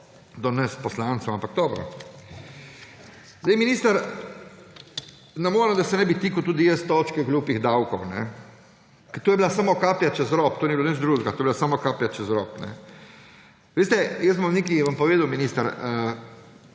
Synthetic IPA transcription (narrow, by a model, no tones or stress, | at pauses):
d̪ɔnɛst̪pɔslantsowampaɡ̚d̪ɔːbɾɔ̰ | zd̪ejminiːst̪aɾ | namoːɾɛd̪asɛnɛbit̪iːkut̪uːd̪ijɛst̪ːɔːt͡ʃkɛɔɡluːpiɣd̪awkɔwnɛ̰ | kɛt̪oːjɛbilasamokaːpljat͡ʃɛzɾɔpt̪oːnɛbilonət͡ʃd̪ɾuːʒɡat̪oːjɛbilasamokaːpjat͡ʃɛzɾɔːpnɛ̰ | ʋeːst̪ɛjəsbmɔneːkiʋampɔʋeːd̪awminiːst̪aɾə